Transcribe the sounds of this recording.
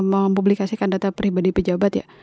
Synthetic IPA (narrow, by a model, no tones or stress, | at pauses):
məmpublikasikandat̪apɾibadipəd͡ʒabat̪ja̰